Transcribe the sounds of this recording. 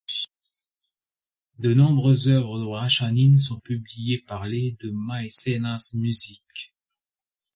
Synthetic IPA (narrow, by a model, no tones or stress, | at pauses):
d̪ənɔ̃bʁøzœvʁəd̪əʁaʃanins̬ɔ̃pyblijepaʁled̪əmajsenasmyzik